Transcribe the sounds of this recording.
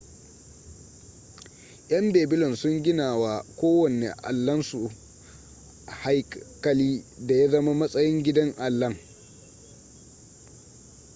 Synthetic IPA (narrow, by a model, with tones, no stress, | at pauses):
ʔj̰ɐ˦mbeː˨bɪ˦lɔ˨nsʊ˦ŋɡʲɪ˦naː˨waː˨kʷoː˦wɐ˨nḛ˨ʔa̰˨lːɐ˦nsu˨ | ha˦jkɐ˦liː˦da˨ja˦zɐ˦ma˦mɐ˦sʼɐ˦jɪ˦ŋɡʲɪ˦dɐ˦ŋʔa˨lːɐ˦ŋ